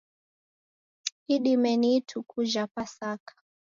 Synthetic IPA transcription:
hiɗimɛnitʰukʰuʒapasakʰḁ

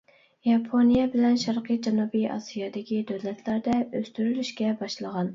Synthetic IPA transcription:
jɑpʰonijɛbɪlɛnʃɑɾqɨjd͡ʒɑnubijʔɑ̰sijɑd̪ɪkʲid̪øwlɛt̪ʰlæɾd̪ɛøst̪yɾylyʃkʲɛbɑʃlˠəʁɑn

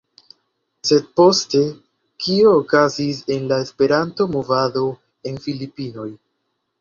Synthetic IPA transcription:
se̞d̚po̞ste̞ | kio̞ːkazis̬e̞nlae̞spe̞ɾanto̞movado̞ | e̞nfilipino̞j

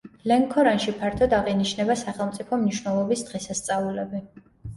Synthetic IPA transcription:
lɛŋkʰɔɾanʃipʰaɾt̪ʰɔd̪aʁiniʃnɛbasaχɛlˠmt̪sʼipʰɔmniʃwnɛlˠɔbisd̪̥ʁɛsast̪sʼaulɛbi

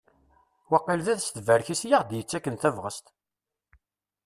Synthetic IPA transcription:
wɑqːilðæðst̪əvæɾçisjiʁd̪jət͡sːækːənθævʁəst̪

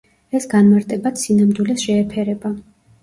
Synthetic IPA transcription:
ɛsɡanmaɾt̪ʼɛbat̪sinamd̪wilɛsʃɛːpʰɛɾɛba

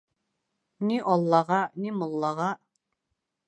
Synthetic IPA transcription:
niʔɔlˠːɑʁɑnimŏlˠːɑʁɑ

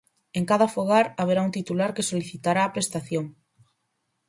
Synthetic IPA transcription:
eŋkaðafoɣ̞aɾaβ̞eɾaunt̪it̪ulaɾkesoliθit̪aɾaːpɾest̪aθjoŋ

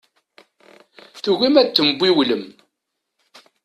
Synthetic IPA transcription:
θuɣimæt͡s̪ːəmbʷːiwləm

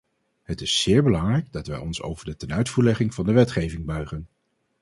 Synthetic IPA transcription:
ɦətɪsːɪːɹbəlɑŋrɛjɡdɑtʋɛjɔnso̰wvəɹdətɛnœɥtfuːɹlɛχɪŋv̥ɑndəʋɛtχejvɪŋbœɥχən

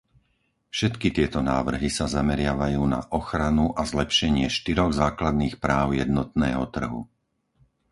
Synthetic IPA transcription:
fʃɛt̪kit̪ɪɛt̪ɔnaːʋr̩ɦisazamɛɾɪaʋajuːna̰ʔɔxɾanuʔazlɛpʃɛɲɪɛʃt̪iɾɔɣzaːklad̪niːxpɾaːʊjɛd̪nɔt̪̚nɛːɦɔt̪r̩ɦṵ

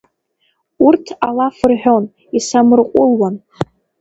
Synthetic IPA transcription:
urtʰalafɨrħᶣo̞n | isamɨrqʷʼʊlwan

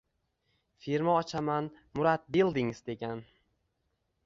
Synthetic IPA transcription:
fiɾmaɒt͡ʃʰaman | mʊɾat̪̚belˠd̪ɪŋɪzd̪e̞ɡʲan

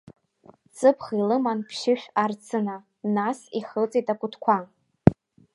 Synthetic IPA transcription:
t͡sʰʼɨpʰχilɨmanpʰʃɪʃᶣart͡sʰɨna | nasiχət͡sʼetʼakʷʼʊtʰkʷʰa

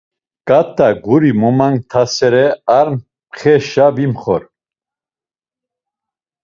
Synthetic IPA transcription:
kʼat̪ʼːaɡuɾimɔmaŋt̪ʰasɛɾɛaɾm | χɛʃabimχɔ̰ɾ

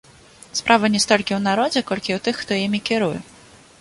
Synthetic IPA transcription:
spɾʔavɐnʲɛst̪ɔlʲkʲiwnaɾɔd͡zʲɛkɔlʲkʲiwt̪ɨxːt̪ɔjimʲikʲɛɾujɛ̰

